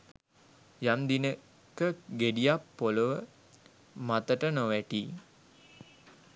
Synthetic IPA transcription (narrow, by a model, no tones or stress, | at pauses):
jamd̪inə | kəɡeɖijapːoləʋə | mat̪əʈənoʋæʈiː